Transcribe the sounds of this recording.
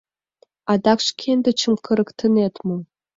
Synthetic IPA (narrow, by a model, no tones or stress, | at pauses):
ɑd̪ɑkʃkʲʰend̪ɘ̆t͡ɕʰə̆mkʰə̆ɾə̆kt̪ʰə̆net̪mum